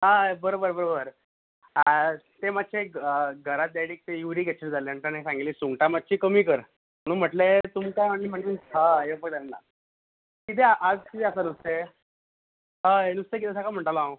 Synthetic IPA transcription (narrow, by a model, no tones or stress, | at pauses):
ɦabəɾobəɾbəɾobəɾ | t̪emat̪̚ːt͡ɕʰeɡʱəɾat̪̚d̪aɽiːk̚t̪ejuʋɾiːɡʱet̪t͡ɕʰəɾd͡zʱaleaɳʈ̪ənesãŋɡiliːsuŋɡʈamat̪̚ːɕiːkəmiːkəɾ | m̤əɽ̃uːnm̤əʈlet̪umkajmaɳlim̤əɳd͡ʑinɦaefək̚d̪aːa̰ | kit̪ʰeʔad͡zkit̪easanust̪e | ɦəenust̪ekit̪ʰes̬akam̤əɳʈalw